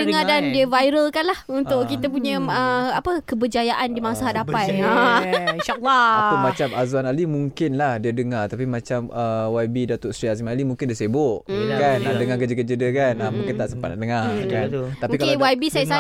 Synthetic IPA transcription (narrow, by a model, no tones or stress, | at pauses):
əŋadandiəvajɾəlkanlahunt̪ʊʔkit̪əp̬uɲə̃əapəkəbəd͡ʒajaʔandimãŋsaɦadapat̪anʃalːakumat͡ʃamazuanalimuŋkɪnlahdiədəŋart̪apimat͡ʃaməwajbidat̪oʔsɾiazimalimũŋkɪndiəsebʊʔkanadəŋakəd͡ʒəkəd͡ʒədəkanəmũŋkɪnt̪aʔsəmpat̪na̰ʔdəŋakat̪apikalwaibisajiʔsa